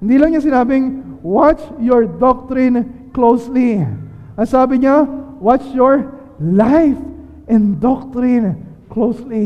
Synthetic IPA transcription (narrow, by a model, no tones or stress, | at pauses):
hɪnd̪iːlɐŋɲasɪnaːbɪŋwat͡ʃjɔɹd̪ɔk̚t̪ɾĩnklowsli | ɐŋsaːbɪɲawat͡ʃjɔɹ | lajf | ʔɛ̃nd̪ɔk̚t̪ɹĩn | klowsli